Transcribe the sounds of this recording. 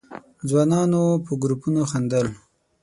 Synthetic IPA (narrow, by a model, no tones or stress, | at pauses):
d͡zwɑnɑnopəɡɾupunoxand̪əl